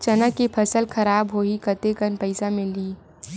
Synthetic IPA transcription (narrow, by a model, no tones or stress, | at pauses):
t͡ʃɐnəkːipʰəsəlkʰɐɾaːbɦoːikət̪ekənpəɪsamɪli